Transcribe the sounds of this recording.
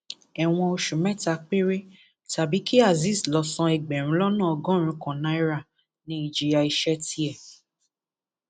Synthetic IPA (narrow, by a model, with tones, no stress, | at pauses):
ɛ˨w̃ɔ̃˧o˧ʃu˨mɛ̃˦ta˧k͡pe˦ɾe˦ | ta˨bi˨˦ki˦a˦˨zi˦˨slɔ˧sã˧ɛ˨ɡ͡bɛ˨ɾ̃ũ˨˦lɔ˦nã˦˨ɔ˧ɡɔ̃˦˨ɾ̃ũ˧kɔ̃˨nã˨˦i˦ɾa˦˨ | nĩ˨˦i˧˨d͡ʒi˧ja˧i˧ʃɛ˦ti˦ɛ˦˨